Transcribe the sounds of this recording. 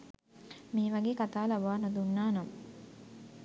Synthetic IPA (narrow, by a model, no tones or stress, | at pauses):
miːʋaɡeːkat̪aːlaʋaːnod̪unːaːnamə